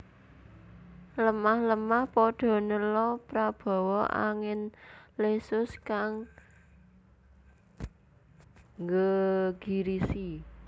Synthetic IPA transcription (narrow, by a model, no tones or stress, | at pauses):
ləmahləmahpɔɖ̥ɔ̤nəlɔpɾab̥ɔ̤wɔa̰ŋɪnlesʊskaŋ | ŋɡəɡ̥i̤ɾisi